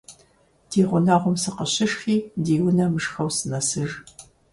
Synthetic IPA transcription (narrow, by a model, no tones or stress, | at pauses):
d̥iːʁʷʊnaːʁʷʊmsɨqəɕɪʃxiːdiːwʊnɐmɨʂxɐwsɨnɐsɨʒ